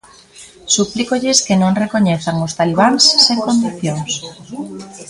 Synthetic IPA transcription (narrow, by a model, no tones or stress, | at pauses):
suplikoʎɪskenõŋrekoɲeθaŋʊst̪aliβ̞aŋsːeŋkond̪iθjoŋs